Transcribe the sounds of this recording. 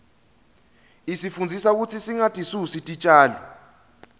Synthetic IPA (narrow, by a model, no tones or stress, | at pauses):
isifund͡zʱisak̬ut͡sʰisiŋatʰʼisusitʼit͡ʃʼaːlɔ